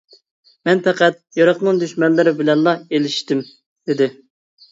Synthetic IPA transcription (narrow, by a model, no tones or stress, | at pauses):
mɛnpɛqæt̪̚jɑɾɑqnɨŋd̪yʃmɛnlːɪɾɪbɪlɛnlˠɑelɪʃt̪ɪm | d̪̥ɪd̪ɪ